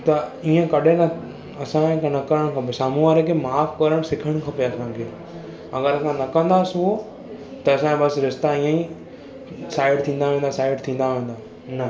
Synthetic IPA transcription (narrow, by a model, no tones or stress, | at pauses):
t̪ɐiːə̃kɐɗenɐ | ɐsãknɐkəɾəɽ̃kʰɐpesaːmuaːɾəkʰeːmaːfkɐɾəɽ̃sɪkʰəɽ̃kʰɐpeɐsãːkʰeː | ɐɡəɾɐsãnɐkɐ̃nd̪asuɦo | t̪ɐɐsãbɐsɾɪst̪aiːə̃ĩ | saːɪɖt̪ʰĩːn̆d̪aʋẽːnd̪asaːɪɖt̪ʰĩːnd̪aʋẽːn̆d̪aː | nɐ